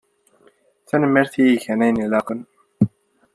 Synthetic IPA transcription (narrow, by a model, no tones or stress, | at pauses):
θænəmːəɾθijiçænæjnilɑqən